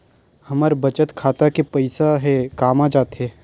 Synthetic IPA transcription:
hɐmaɾbɐt͡ʃət̪kʰaːt̪akepɐɪsaɦɛkaːmad͡ʒaːt̪ɦɛː

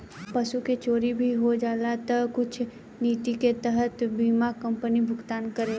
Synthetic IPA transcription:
pəsuket͡ʃoːɾibʱiɦod͡ʒaːlat̪əkʊt͡ʃʰ | niːt̪iket̪ɛɦət̪biːmakə̃mpənibʱʊɡt̪aːnkəɾeː

